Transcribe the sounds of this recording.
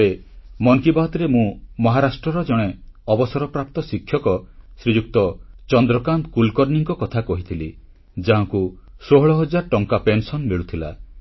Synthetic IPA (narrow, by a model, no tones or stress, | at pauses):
emɔŋkibaɦɔt̪ɾemũmɔɦaɾasʈɾɔɾɔd͡ʒɔɽ̃eɔbɔsɔɾɔpɾap̚t̪ɔsikʰːjɔkɔsɾid͡ʒuk̚t̪ɔt͡ʃɔnd̪ɾɔkand̪kulkɔɾniŋkɔkɔt̪ʰakɔɦit̪ʰili | d͡ʒaɦaŋku | soɦɔɭɔɦɔd͡ʒaɾʈɔŋkapensɔnmeɭut̪ʰila̰